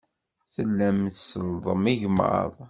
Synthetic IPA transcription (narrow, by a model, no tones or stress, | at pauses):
θəlːæmθsəlðˤəmiʝmə̰ðˤ